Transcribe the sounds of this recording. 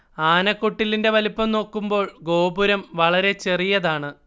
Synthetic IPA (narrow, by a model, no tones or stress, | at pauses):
aːnɐkːoʈːilinde̞ʋɐlipːɐmno̞ːkːumbo̞ːɭɡo̞ːbuɾɐmʋɐɭɐɾe̞t͡ɕe̞rijɐðaːɳɨ